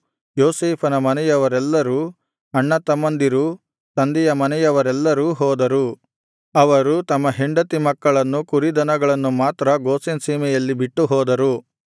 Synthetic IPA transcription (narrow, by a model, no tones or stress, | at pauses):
joːseːpʰɐnɐmɐnɛjɐʋɐɾɛlːɐɾu | ɐɳːɐt̪ɐmːɐnd̪iɾu | t̪ɐnd̪ijɐmɐnɛjɐʋɐɾɛlːɐɾuːɦɔːd̪ɐɾu | ɐʋɐɾut̪ɐmːɐɦeɳɖɐt̪imɐkːɐɭɐnːukuɾid̪ɐnɐɡɐɭɐnːumaːt̪ɾɐɡoːsensiːmɛjɐlːibiʈːuɦɔːd̪ɐɾu